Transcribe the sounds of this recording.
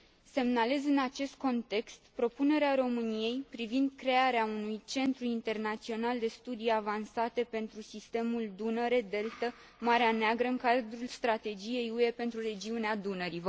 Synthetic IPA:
se̞mnale̞zɨnat͡ʃe̞st̪̚ko̞nt̪e̞kst̪pɾo̞pune̞ɾeaɾo̞mɨnije̞jpɾivind̪̚kɾe̞aɾeaunujt͡ʃe̞nt̪ɾuint̪e̞rnat̪sio̞nald̪e̞st̪ud̪ijavansat̪e̞pe̞nt̪ɾusist̪e̞muld̪unəɾe̞d̪e̞lt̪ə | maɾeaneaɡɾəɨŋkad̪ɾulst̪ɾat̪e̞d͡ʒije̞jue̞pe̞nt̪ɾure̞d͡ʒiunead̪unəɾi

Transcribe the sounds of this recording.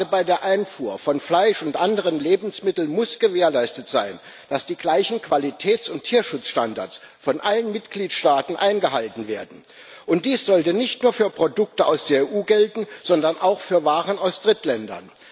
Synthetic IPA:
dəbaɪdeːɐʔaɪnfuːɐfɔnflaɪʃʊntʔandəʁ̞ənleːbm̩smɪtl̩mʊsɡ̥əveːɐlaɪstətz̥aɪn | d̥asd̥iːɡlaɪçn̩kv̥alitʰɛːt͡sʊntʰːiːɐʃʊt͡sʃtanda̰ɐt͡s | fɔnʔalənmɪtɡ̥liːtʃtaːtn̩ʔaɪnɡəɦaltn̩veːɐdn̩ | ʔʊnt̚d̥iːsz̥ɔltənɪçtnuːɐfyːɐpʁ̥odʊk̚təʔa̰ʊsd̥eːɐeːʔuːɡɛltn̩z̥ɔndɐnʔa̰ʊxfyːɐvaːʁənaʊsd̥ʁɪtlɛndɐ̰n

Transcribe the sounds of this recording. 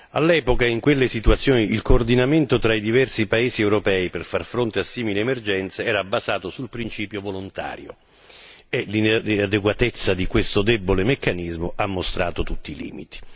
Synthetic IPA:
a̰lːɛːpokaiŋkwelːesit̪uat̪sːjoːniilkoːrd̪inament̪ot̪ɾaid̪ivɛrsipaeːziɛwɾopɛːiperfarfɾont̪easːiːmileːmerd͡ʒɛnt̪seɛːɾabːazaːt̪osulpɾint͡ʃiːpjovolont̪a̰ːɾjo̰ | elinad̪eɡwat̪et̪sːad̪ikwest̪od̪ɛbːolemekːanizmoʔamːost̪ɾa̰ːt̪ot̪ut̪ːilḭːmit̪i̥

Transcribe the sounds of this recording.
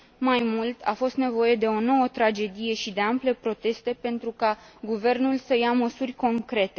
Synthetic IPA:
majmult̪ʰa̰fo̞st̪ne̞vo̞je̞d̪e̞o̞no̞wət̪ɾad͡ʒe̞d̪ije̞ʃid̪e̞ample̞pɾo̞t̪e̞st̪e̞pe̞nt̪ɾukaɡuve̞rnulsəjaməsurʲko̞ŋkɾe̞t̪e̞

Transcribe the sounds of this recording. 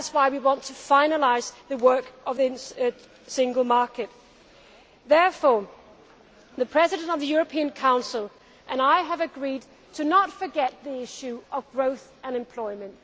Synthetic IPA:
ðætswaɪwiwɑ̃ntʰɨfãɪ̃nəlaɪzðɨwɜ˞kʔʌvðɨ | sɪ̃ŋɡlˠmɑɹkɨt̪̚ | ðɛɹfɔɹ | ðɨpʰɹ̥ɛzɨɾɨ̃ntʌvðɨjʊɹɨpʰĩɨ̃nkʰãʊ̃nsəl̩ˠ | ʔɨ̃naɪəvɨɡɹid | tʰɨnətfə˞ɡɛt̪̚ðiɪʃʉʌvɡɹoʊθɨ̃nɨ̃mpʰl̥ɔɪmɨ̃nt

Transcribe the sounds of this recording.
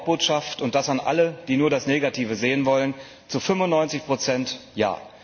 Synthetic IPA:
b̥oːtʃaftʊnt̚d̥asanʔa̰ləd̥iːnuːɐdasneːɡatʰiːvəzeːənvɔlən | t͡sufʏmʊnːɔʏnt͡sɪçpʁ̥ot͡sɛntja̰ː

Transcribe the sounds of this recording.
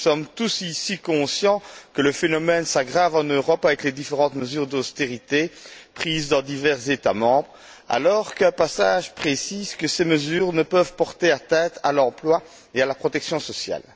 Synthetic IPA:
sɔmt̪usisikɔ̃sjɑ̃kələfenɔmɛnsaɡʁavɑ̃nøʁɔpavɛkled̪ifeʁɑ̃t̪məzyːʁd̪ost̪eʁit̪epχiːzd̪ɑ̃d̪ivɛʁzet̪amɑ̃bʁ | a̰lɔʁkɛ̃pasaʒpχesizkəseməzyːʁnəpəvpɔʁt̪eat̪ɛ̃t̪ʰa̰lɑ̃plwa | ealapχɔt̪ɛksjɔ̃sɔsja̰l

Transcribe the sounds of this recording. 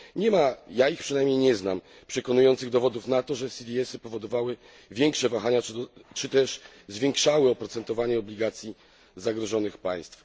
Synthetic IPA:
ɲɛmajaixpʂɨnajmɲejɲɛznam | pʂɛkɔnujɔnt̪sɘɣd̪ɔvɔd̪ufnat̪ɔʐɛsʲid̪ʲiɛsɘpɔvɔd̪ɔvawɘ | vʲjɛŋkʂɛvaxaɲat͡ʂɘt̪ɛʂ | zvʲjɛŋkʂawɘɔpɾɔt̪sɛnt̪ɔvaɲɛɔblʲiɡat̪sʲji | zaɡɾɔʐɔnɘxpa̰j̃st̪f

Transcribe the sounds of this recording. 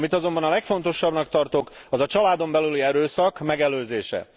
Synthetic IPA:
mit̪ɒzo̞mbɒnɒlɛkfo̞nt̪o̞ʃɒbnɒkt̪ɒrt̪o̞kɒzɒt͡ʃɒlaːd̪o̞mbɛlyliɛɾøːsɒkmɛɡɛløːzeːʃɛ̰

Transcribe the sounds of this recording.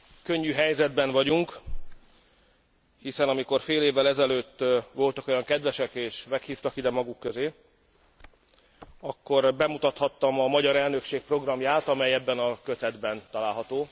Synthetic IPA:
køɲːyɦɛjzɛd̪bɛɱvɒɟuŋk | hisɛnɒmiko̞rfeːleːvːɛlɛzɛløːt̪ːʋo̞lt̪ɒko̞jɒŋkɛd̪ʋɛʃɛkeːʃmɛkhiːft̪ɒkid̪ɛmɒɡukːøzeː | ɒkːo̞rbɛmut̪ɒt̪hɒt̪ːɒmɒmɒɟɒɾɛlnø̞kʃeːk̚pro̞ɡrɒmjaːt̪ɒmɛjɛbːɛnɒkø̞t̪ɛd̪bɛnt̪ɒlaːlɦɒt̪oː

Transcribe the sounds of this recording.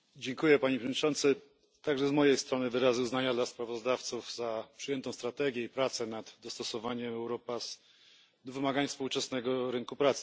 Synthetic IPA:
d͡ʑɛŋkujɛpaɲipʂɛvd̪ɲʲit͡ʂɔnt̪sɘ | t̪aɡʐɛzmɔjejst̪ɾɔnɘvɘɾazɘuznaɲad̪laspɾavɔzd̪aft̪suvzapʂɘjɛnt̪ɔ̃w̃st̪ɾat̪ɛɡʲjɛipɾat̪sɛnad̪d̪ɔst̪ɔsɔvaɲɛmɛwɾɔpas | d̪ɔvɘmaɡaɲfspuwt͡ʂɛsnɛɡɔɾɘŋkupɾat̪sɘ̥

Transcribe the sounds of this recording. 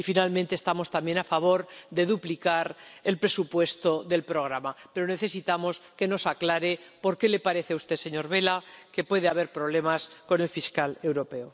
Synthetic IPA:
ifinalmẽnt̪eːst̪amo̞st̪amje̞nafaβ̞o̞ɾðe̞ðuplikaɾe̞lpɾe̞supwe̞st̪oðe̞lpɾo̞ɣ̞ɾamapeɾone̞θe̞sit̪amo̞ske̞no̞saklaɾe̞po̞ɾke̞le̞paɾe̞θeust̪e̞se̞ɲo̞ɾβe̞lake̞pwe̞ð̞eaβ̞e̞ɾpɾo̞β̞le̞masko̞ne̞lfiskale̞wɾo̞pe̞o

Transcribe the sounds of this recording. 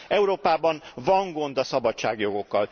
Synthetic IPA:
ɛuɾoːpaːbɒnvɒŋɡo̞nd̪ɒsɒbɒtt͡ʃa̰ːɡjo̞ɡo̞kːɒl

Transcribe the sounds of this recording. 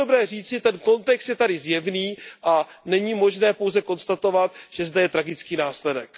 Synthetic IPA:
obɾɛːriːt͡sɪt̪ɛnko̞nt̪ɛkst̪jɛt̪adɪzjɛvniːʔa | nɛɲiːmo̞ʒnɛːpo̞wzɛko̞nst̪at̪o̞vat̪ʒ̥ɛzd̪ɛjɛt̪ɾaɡɪt͡skiːnaːslɛdɛk

